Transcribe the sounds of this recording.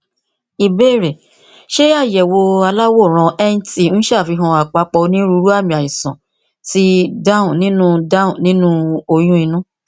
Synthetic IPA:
i˨be˦˨ɾɛ˨ | ʃe˦a˦˨jɛ˨wo˧a˧la˦wo˦˨ɾ̃ɔ̃˧ɛ˦n̩˦ti˦˨˦ñ̩˦ʃa˦˨fi˧˦ɦɔ̃˧a˨k͡pa˧k͡pɔ˧nĩ˦ɾu˧˦ɾu˦a˦˨mĩ˨a˨ji˨sɔ̃˨ | ti˦da˦ũ˨nĩ˦nũ˦da˦ũ˨nĩ˦nũ˦o˧jũ˦ĩ˧nũ˦

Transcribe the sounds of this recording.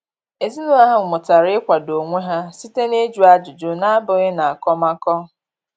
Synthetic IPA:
e˨zi˦nʊ˦a˦ɦa˦ŋ̩˨mʊ˨ta˨ɾɪ˦ɪ˦kʷa˨do˨ŋʷe˦ɦa˦si˦te˦ne˦d͡ʒu˨˦a˦d͡ʒʊ˨d͡ʒo˦na˦a˦bʊ˦ɣe˦na˨a˨kɔ˦ma˦kɔ˦

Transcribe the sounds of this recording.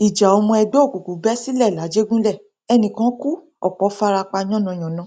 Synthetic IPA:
i˨d͡ʒa˨o˧mɔ̃˧ɛ˧ɡ͡bɔ˦˨ku˨ku˨˦bɛ˦si˦lɛ˦˨la˨˦d͡ʒe˦ɡũ˦lɛ˦˨ | ɛ˧nĩ˨kã˨˦ku˦ | ɔ̰˨k͡pɔ˨˦fa˧ɾa˧k͡pa˧ɲ̃ɔ̃˦˨nɔ̃˧˨j̃ɔ̃˨nã˨˦

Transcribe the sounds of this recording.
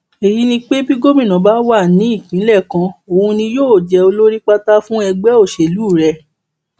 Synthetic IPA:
e˨ji˨˦nĩ˧k͡pe˦bi˦ɡo˦mĩ˦˨nã˨˦ba˨˦wa˦˨nĩ˨˦i˦˨kĩ˨˦lɛ˦˨kã˧o˨hũ˧nĩ˧joː˦˨d͡ʒɛ˧o˧lo˦ɾi˦k͡pa˦ta˦fũ˦ɛ˧ɡ͡bɛ˦o˦˨ʃe˨luː˨˦˨ɾɛ˧˨

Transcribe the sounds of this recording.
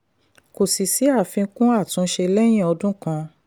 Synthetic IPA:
ko˨si˨si˨˦a˦˨fĩ˧˦kũ˦a˦˨tũ˧˦ʃe˧lɛ˦j̃ĩ˦˨ɔ˧dũ˦kã˧

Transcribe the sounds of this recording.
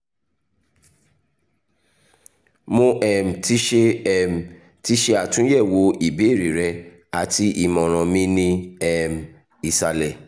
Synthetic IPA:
mõ˧ʔɛ˨m̩˨ti˦ʃe˧˨m̩˨ | ti˦ʃe˧˦a˨tũ˨˦jɛ˦˨wo˨˦i˨be˨˦e˦˨ɾi˨ɾɛ˧ | a˨ti˧ʔi˨mɔ̃˨ɾ̃ɔ̃˨mĩ˦nĩ˧ɛ˨m̩˨ | i˨sa˧lɛ˨

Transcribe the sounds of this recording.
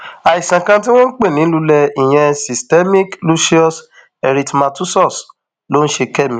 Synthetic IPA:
a˨i˨sã˨kã˧t̬i˦w̃ɔ̃˦k͡pe˦˨nĩ˨˦lu˦lɛ˧i˨j̃ɛ̃˧si˨stɛ˦mĩ˦klu˦ʃi˦ɔ˦s | ɛ˨ɾi˨tma˧tu˦sɔ˦˨s | lo˦n̩˦ʃe˧kɛ˦˨mĩ˦

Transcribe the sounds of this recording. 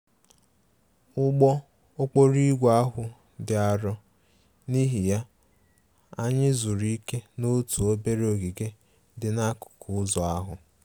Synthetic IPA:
ʊ˦ɡ͡bɔ˦ | o˦k͡po˦ɾi˦ɡʷa˦ɦʊ˨ | dɪ˨a˨ɾɔ˦ | ni˦ɦi˨ja˦ | a˦ɲɪ˦zu˨ɾi˦ke˦no˦tu˨o˦be˦ɾo˨ɡi˨ɡe˦ | dɪ˨na˦kʊ̥˨kʊ˨ʊ˦zɔ˨a˦ɦʊ˨

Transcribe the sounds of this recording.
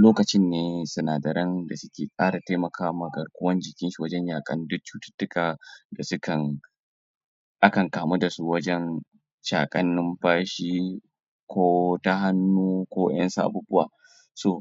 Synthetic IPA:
loː˦kɐ˨t͡ʃɪ˦nːeː˨sʊ˨naː˨dɐ˨ɾɐ˦nda˨sʊ˦kʲeː˨kʼaː˦ɽa˨ta˦mɐ˨kʰaː˦mɐ˨ɡɐ˨rkʷʊ˦wɐ˦nd͡ʒɪ˨kʲɪ˦nʃu˨wɐ˦d͡ʒɛ˦ɲjaː˨kʼɐ˦ndʊ˦t͡ʃːuː˦tʊ̥˦tːʊ˦kaː˨da˨sʊ˦kɐ˨n | ʔa˦kɐ˨ŋkaː˨mu˦da˨su˦wɐ˦d͡ʒɛ˦n | ʃaː˨kʼɐ˦nːɪ˦mɸaː˦ʃiː˦ | kʰʷoː˦ta˦ɦa˦nːuː˦kʷoː˦jɐ̰˦nsa˦ʔa̰˨buː˦bʊ˦wa̰ː˨ | soː˦˨

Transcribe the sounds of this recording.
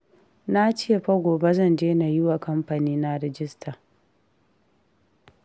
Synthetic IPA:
na˦t͡ʃɪ˦je˨ɸa˦ɡʷoː˨be˦zɐ˦˨nd͡ʒeː˦na˨jʊ˦wa˨kɐ˦mɸa˨niː˦na˦ɾɪ˦d͡ʒɪ˦stʰa˨

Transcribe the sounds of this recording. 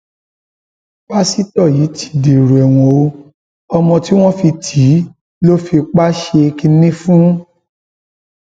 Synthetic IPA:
k͡pa˦si˦tɔ˦˨ji˨˦tʰi̥˨di˨ɾu˨ɛ˨w̃ɔ̃˧o˦ | ɔ˧mɔ̃˧ti˦w̃ɔ̃˦fi˧tʰi˨˦ | lo˦fi˧k͡pa˦ʃe˧ki˧nĩ˦fũ˦

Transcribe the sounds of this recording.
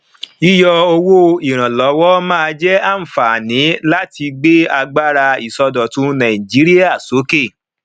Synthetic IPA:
i˦jɔ˧o˧wo˦i˨ɾ̃ã˨lɔ˨˦wɔ˦mãː˦˧d͡ʒɛ˦a˦˨m̩˨fa˨nĩ˨˦la˦ti˧ɡ͡be˦a˧ɡ͡ba˦ɾa˧i˨sɔ˧dɔ˨tũ˨˦nã˨ĩ˨d͡ʒi˨˦ɾi˦a˦˨so˨˦ke˦˨

